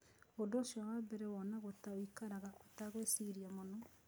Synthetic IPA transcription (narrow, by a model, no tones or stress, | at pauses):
ondoːʃjɔwabɛɾɛwɔnaɣotaoikaɾaɣaʔotaɣwesiɾiamonɔ